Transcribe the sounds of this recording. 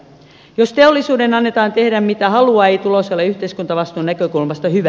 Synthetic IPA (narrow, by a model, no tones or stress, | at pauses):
jost̪eolːisuːdenɑnːet̪ɑːnt̪e̞hdæmmit̪æhɑluɑejt̪uloselːeyçt̪eiskunt̪ɑʋɑst̪uːnækøkulmɑst̪ɑhyʋæ